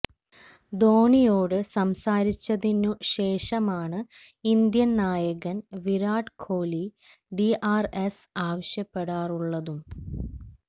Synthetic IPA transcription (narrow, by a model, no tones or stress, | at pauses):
d̪o̞ːɳijoːɽɨsɐmsaːɾit͡ɕːɐðinuɕe̞ːʂɐmaːɳɨind̪jɐnnaːjɐɣɐnʋiɾaːɖkʰoːli | ɖiaːresaːʋɐɕjɐpːe̞ɽaːruɭːɐðum